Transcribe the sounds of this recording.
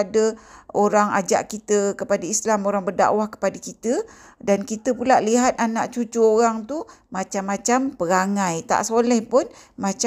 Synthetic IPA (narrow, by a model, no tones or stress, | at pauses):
dəoɾaŋa̰d͡ʒa̰ʔkit̪əkəpadaislamoɾaŋbərda̰wahkə̥padəkit̪ə | dankit̪əpulaʔliɦat̪̚anaʔt͡ʃut͡ʃuoɾaŋt̪umat͡ʃamːãt͡ʃampəɾaŋãjt̪a̰ʔsolɛhpʊnmat͡ʃ